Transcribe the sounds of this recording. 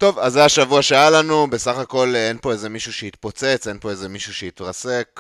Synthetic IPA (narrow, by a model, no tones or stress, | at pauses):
t̪o̞vazːeaʃavuaʃeajalanubesaχako̞lenpo̞eze̞miʃuʃehit̪̚po̞t͡se̞t͡se̞npo̞e̞zemiʃuʃeit̪ʁase̞k